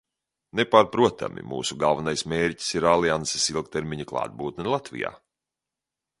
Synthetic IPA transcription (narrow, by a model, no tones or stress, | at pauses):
nepaːɾpɾuɔt̪ʰa̰mʔḭmṵːsuɡalˠvanajsmeːɾci̥siɾalˠiansisilˠk̚t̪eɾmʲiɲaklˠa̰ːd̪̚buːt̪nɛlˠat̪vḭja̰ː